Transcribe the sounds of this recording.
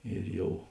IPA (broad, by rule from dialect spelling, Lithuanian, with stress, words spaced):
ɪr ˈjɛʊ